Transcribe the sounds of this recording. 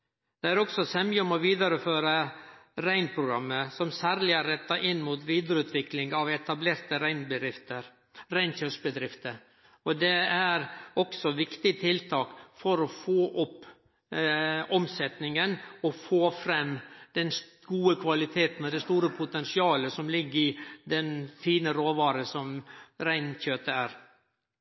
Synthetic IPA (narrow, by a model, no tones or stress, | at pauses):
d̪̥ɛæɾɔksɔsɛmjəmɔʋiːd̪ɑɾəføːɾəɾæɪnpʰɾʊɡɾɑmːəsɔmsæːɾlɪæɾːɛt̪ːɑʔɪnːmuːt̪ʋiːd̪əɾəʉːt̪ʰʋɪklɪŋɑʋɛt̪ɑbleːɾt̪əɾæɪnbəɾɪft̪əɾ | ɾæɪnçœʂbəd̪ɾɪft̪əɾ | ɔd̪ɛæɾɔksɔʋɪkt̪ɪt̪ʰɪlt̪ʰɑːkfɔɾɔfoːʔʊpː | ɔmsɛt̪nɪŋənɔfoːfɾɛmːd̪ɛns | ɡuːəkʰʋɑlɪt̪ʰeːt̪n̩ɔd̪ɛst̪uːɾəpʰʊt̪ɛnsɪɑːləsɔmlɪɡːəɾɪd̪ɛnfiːnəɾoːʋɑːɾəsɔmɾæɪnçøːt̪əæːɾ